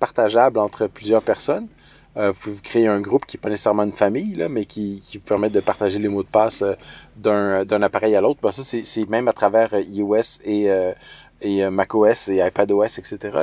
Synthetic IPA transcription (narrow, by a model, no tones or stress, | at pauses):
paʁ̥t̪aʒablɑ̃ːt̪χəplyzjœːʁpɛʁsɔn | øvupevukχeeɛ̃ɡʁupkʲiɛpanese̥sɛʁmɑ̃ynfamijlamɛkʲikʲivupɛʁmɛt̚d̪əpaʁt̪aʒelemod̪əpaːsød̪ɛ̃d̪ɛ̃napaʁɛjalot̪̚χbɛ̃sɔsɛsɛmɛ̃mat̪χavɛːʁøioɛseø | eømakoɛseajpad̪oɛsɛkset̪eʁa̰